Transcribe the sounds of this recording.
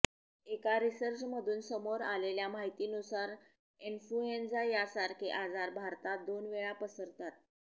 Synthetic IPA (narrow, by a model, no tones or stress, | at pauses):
ekaɾisəɾt͡ɕməd̪ʱuːnsəmoɾaleljamaɦit̪iːnusaɾ | influend͡zajasaɾkeʔad͡zaɾbʱaɾt̪ad̪onʋeɭapəsəɾt̪at̪̚